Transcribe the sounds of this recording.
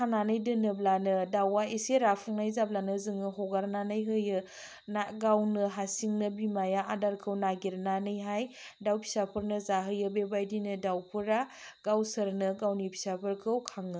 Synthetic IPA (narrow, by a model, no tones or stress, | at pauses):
kʰananɯjdɯnɯblanɯdawaiseɾapʰuŋnajzablanɯzɯŋɯɦɔɡaɾnanɯjɦɯjɯ | naɡawnɯɦasiŋnɯbimajaadaɾkʰɯwnaɡiɾnanɯjɦaj | dawpʰi̥sapʰɯɾnɯzaɦɯjɯbebajdinɯdawpʰɯɾaɡ̥awsɯɾnɯɡawnipʰi̥sapʰɯɾkʰɯwkʰaŋɯ